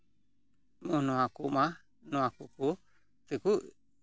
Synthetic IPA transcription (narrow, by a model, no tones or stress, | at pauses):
munoakuma | noakuku | t̪iku